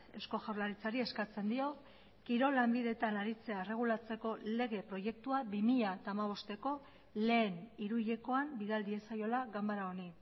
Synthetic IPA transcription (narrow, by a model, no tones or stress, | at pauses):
esko̞ʝawɾlaɾit͡saɾie̞skat͡se̞nd̪io̞ | kiɾo̞lambiðe̞t̪anaɾit͡se̞aere̞ɣ̞ulat͡se̞ko̞le̞ɣe̞pɾo̞je̞k̚t̪uaβimiʎat̪aːmaβ̞o̞st̪e̞ko̞ | le̞ːniɾuʎeko̞ambiðald̪ie̞sajo̞laɣambaɾao̞ni